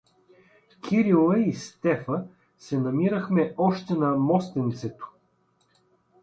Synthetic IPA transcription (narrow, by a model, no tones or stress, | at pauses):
kʲʰiɾilˠəist̪ɛfə | sɛnɐmiɾəxmɛɔʃt̪ɛnɐmɔst̪ɛnt̪sɛt̪o̥